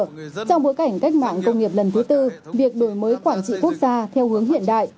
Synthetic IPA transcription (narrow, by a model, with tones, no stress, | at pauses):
t͡ɕɔ˧wŋ͡mɓo˨˦jka˧˩jŋ̟ka˦˥k̚ma̰ː˧˨ŋkə˧wŋ͡mŋi˨˩əp̚lə˨˩nt̪ʰɨ˨˦t̪ɨ˧vi˨˩ək̚ɗo˧˩jməː˨˦jkwaː˧˩nt͡ɕḭ˧˨ku˦˥ək̚zaː˧t̪ʰɛ˧whɨ˨˦əŋɦḭ˧˨ənɗa̰ː˧˨jʔ